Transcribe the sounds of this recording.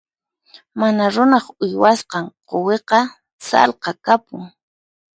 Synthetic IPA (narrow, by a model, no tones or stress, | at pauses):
manaɾʊnɑχʊjwasqɑɴqoweqɑ | sɑ̰lqɑkapʊŋ